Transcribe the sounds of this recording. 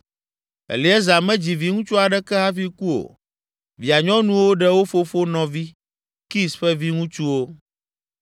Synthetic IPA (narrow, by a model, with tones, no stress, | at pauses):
ɛ̰˨li˨˦ɛ˦za˨mɛ̃˦d͡ʑi˨vi˨ŋũ˦t͡ʃu˦a˨ɖɛ˦kɛ˦ɦa˦fi˦ku˦o̰˨ | vi˨a˨ɲɔ̃˦nũ˦wo˦ɖɛ˦wo˦fo˦fo˦nɔ̃˨vi˦ | ki˦sɸɛ˦vi˦ŋũ˦t͡ʃu˦wo˦